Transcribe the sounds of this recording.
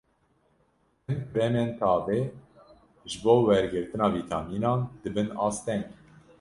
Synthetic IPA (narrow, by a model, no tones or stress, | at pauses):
ɛnbɛmeːnt̪ʰɑːveː | ʒɨboːwɛɾɡɨɾt̪ɨnɑːviːt̪ʰɑmiːnɑːnd̪̥ɨbɨnɑ̰ːst̪ɛŋɡ